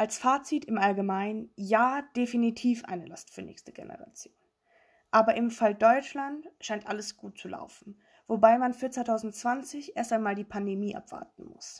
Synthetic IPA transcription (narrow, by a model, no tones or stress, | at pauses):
ʔalsfaːt͡sitɪmʔalɡəmaɪnjaːd̥efinitʰiːfʔa̰ɪnəlastfyːɐnɛ̰ːçstəɡḛnə̰ʁa̰t͡sjoːn | ʔaːbɐʔɪmfaldɔʏt͡ʃlantʃaɪntʔaləsɡ̥uːt̚t͡sula̰ʊfn̩ | v̥obaɪmanfyːɐt͡svaɪtʰaʊzn̩tt͡sv̥ant͡sɪçʔeːɐstaɪnmaːldiːpʰandemiːʔa̰pv̥a̰ɐtn̩mʊ̰s